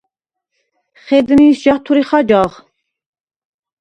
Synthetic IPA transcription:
χɛd̪niːsʒɑht̪ʰuɾiχɑd͡ʒɑʁ

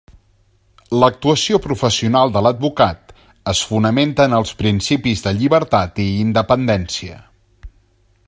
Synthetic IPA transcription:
lək̚t̪uəsiopɾufəsiunalˠd̪ələd̪̚bukat̪ | əsfunəment̪ənəlˠspɾinsipizðəʎiβəɾt̪at̪iːnd̪əpənd̪ɛnsiə̰

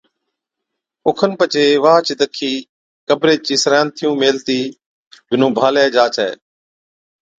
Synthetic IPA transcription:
ʊkʰənpət͡ʃeːʋaːt͡ʃid̪əkʰiː | kəbɾeːt͡ʃiːsɾaːnt̪ʰɪjũːmeːlt̪iː | bʱɪnũːbʱaːlɛːd͡ʒaːt͡ʃɛ̰ː

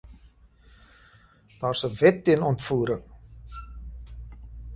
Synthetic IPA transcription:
d̥ɑːrsəvɛt̚ːiənɔntfuːɾəŋ

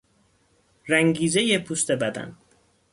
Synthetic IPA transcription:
ɾæŋɡiːzejepʰust̪ebæd̪æ̰n

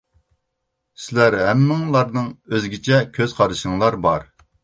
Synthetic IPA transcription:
sɪlæɾɦɛmːɪŋlˠɑɾnɨŋøzɡʲit͡ʃʰɛkʲʰøzqʰɑɾɨʃɨŋlˠɑɾbɑɾ

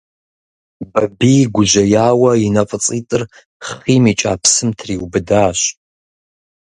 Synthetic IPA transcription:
bɐbiːɡʷʊʒɐjaːwɐinɐfʼət͡sʼiːtʼɨr | χiːmiːt͡ʃʼaːpʰsɨmtʰriːwbɨdaːɕ

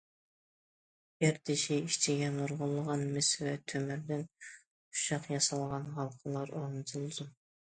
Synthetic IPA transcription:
eɾt̪ʰɪʃiiʃt͡ʃʰiɡʲɛnoɾʁʊlˠːəʁɑnmɪsvɛt̪ʰømɪɾd̪ɪn | u̥ʃɑqjɑsɑlˠʁɑnɦɑlˠqʰəlˠɑɾoɾnɨt̪ʰɨlˠzum

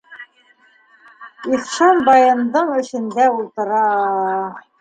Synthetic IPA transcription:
iχʃɑmbɑjɤ̆nd̪ɤɴɘ̆ʃɘ̆nd̪æulˠt̪ɤ̆ɾɑ

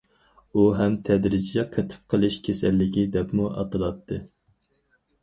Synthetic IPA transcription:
uɦɛmt̪ʰɛd̪ɾɪd͡ʒjɛqʰət̪ʰɨ̥p̚qʰəlˠɨʃkʲʰesɛlːɪɡʲid̪ɛpmuʔɑ̰t̪ɨlˠɑt̪ʰːɨ

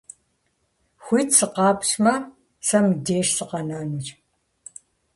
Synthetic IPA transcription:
xʷijtʰsɨqɑːpɕmɐ | sɐmdeːʃsɨqɐnɐnur

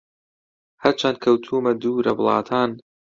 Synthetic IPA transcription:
hɐɾt͡ʃʰankʰɐwt̪ʰuːmɐd̪uːɾɐblˠɑ̰ːt̪ʰaːn

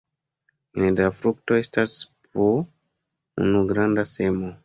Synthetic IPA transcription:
nedafɾuk̚toestasp̚o | ṵnuɡɾandasemo

